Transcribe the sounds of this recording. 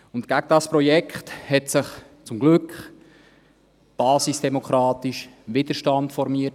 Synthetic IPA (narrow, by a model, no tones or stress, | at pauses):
ʊntɡ̥æɡədɑspɾɔjɛkχthɛtsɪχt͡sʊmɡlʏkχ | b̥ɑːsisd̥ɛmokʰχɾɑːtɪʃʋɪd̪əʃtɑntfɔɾmiːət